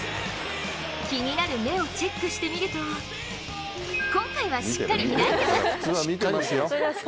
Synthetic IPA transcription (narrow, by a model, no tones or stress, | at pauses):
kʲiɲ̟inaɾɯ̟me̞o̞t͡ɕekːɯ̟ɕi̥t̪emʲiɾɯ̟t̪o̞ | kõ̞ŋkaiβ̞aɕi̥kːaɾʲimʲinait̪eamʲit̪esjo